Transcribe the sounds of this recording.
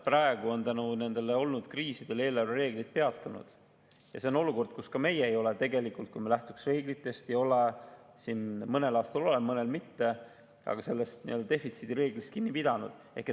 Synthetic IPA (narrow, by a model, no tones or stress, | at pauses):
prɑe̞ɡ̥uo̞nt̪ænune̞nd̪e̞leo̞lnud̪̥kriːsid̪̥e̞le̞ːlɑrɑre̞ːɡ̥lit̪̚pe̞ɑt̪ːˑunṵd̪̥ | jɑ̰se̞o̞no̞luko̞rd̪̥̚kuskɑme̞jeːejo̞le̞t̪e̞ɡe̞likult̪̚kumelæht̪u̥ksre̞ːɡlit̪ːˑe̞st̪ejo̞le | sinmɤne̞lɑːst̪ɑlo̞lemɤne̞lmit̪ːe̞ | ɑ̰ɡ̥ɑse̞lːest̪nḭøld̪ɑt̪e̞fit̪sid̪̥iɾe̞ːɡlist̪̚kinːipid̪̥ɑnṵd̪̥ | e̞hkːe